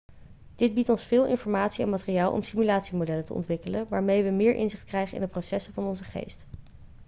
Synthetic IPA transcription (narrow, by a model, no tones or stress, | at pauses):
d̥ɪd̚bitɔnsfɪːlˠɪ̰nfɔɹmaːtsiɛ̰nmaːtɪrijaːlˠʔɔ̰msimylaːtsimodɛlətə̰ɔ̰ntʋɪkələnʋaːɹmejʋəmɪːɹʔɪ̰nzɪχt̚krɛjχəɪ̰ndəprosɛsəvɑnɔnzəχḛjst